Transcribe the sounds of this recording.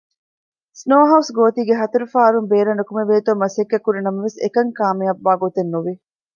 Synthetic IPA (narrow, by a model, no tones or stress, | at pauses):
snoːɦɐwsɡoːt̪iːɡeɦɐt̪ɐɾufaːɐɾumbeːɾɐnɾɐkumeʋeːt̪omːɐsekːɐkːuɾinɐmɐʋesḛkɐŋkaːmeɐbːaːɡot̪enːuʋi